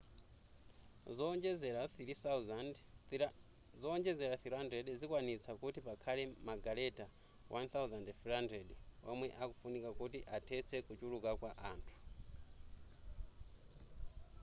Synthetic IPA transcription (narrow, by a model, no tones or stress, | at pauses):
zd͡ʒɛzɛɾaθiɾis | zɔːnd͡ʒɛzɛɾaθiɾandɾɛɗzikwanit͡sʰakutipakʰalɛmaɡalɛta | wʔanθawuzandfiɾandɛɗpamwɛʔakufunikakutiʔatʰɛt͡sʰɛkut͡ʃulukakwaʔaːntʰu̥